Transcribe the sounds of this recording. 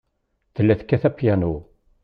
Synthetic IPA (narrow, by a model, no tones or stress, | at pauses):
θðəlːæθkːæθæpjænu